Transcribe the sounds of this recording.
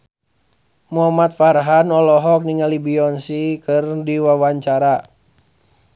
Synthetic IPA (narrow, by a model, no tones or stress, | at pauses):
muamat̪farɦanɔlɔɦɔk̚niŋalibiɔnsikɨrdiwawaɲt͡ʃaɾa